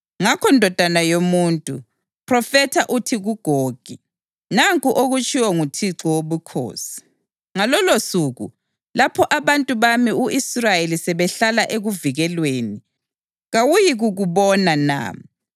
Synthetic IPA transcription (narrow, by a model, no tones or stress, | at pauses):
ŋakʰɔndʱɔd̥ʱanajomuntʼṵ | pʰrɔfɛtʰaʔutʰiɣuɡ̥ʱoːɡ̥ʱi | naŋkʼuʔoɣut͡ʃʼiwɔŋutʰiǁɔwoβukʰo̰ːsi̥ | ŋalɔlosuɣṵ | lapʰɔʔaβantʼuβamiuʔisrajelisɛβɛɬalaʔeɣuviɣɛlweːni | ɣawujiɣuɣuβɔnana̰ːmi